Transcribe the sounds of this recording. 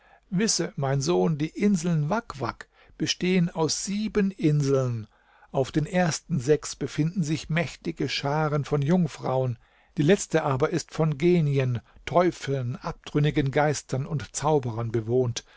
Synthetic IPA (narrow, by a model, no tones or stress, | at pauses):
vɪsəmaɪnzoːndiːʔɪnzl̩nvakv̥a̰k | b̥əʃteːənaʊsz̥iːbənʔɪnzl̩n | ʔaʊfd̥eːnʔeːɐstn̩zɛksb̥əfɪndn̩zɪçmɛçtɪɡəʃaːʁənfɔnjʊŋfʁ̥a̰ʊən | d̥iːlɛt͡stəʔaːbɐʔɪstfɔnɡeːniəntʰɔʏfl̩nʔap̚d̥ʁʏnɪɡənɡaɪstʰɐnʊntt͡saʊbəʁɐnbəvoːnt